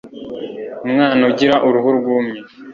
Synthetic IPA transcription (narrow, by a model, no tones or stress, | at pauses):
umŋaːnoɟiɾaʔuɾuɦuɾɡuːmɲe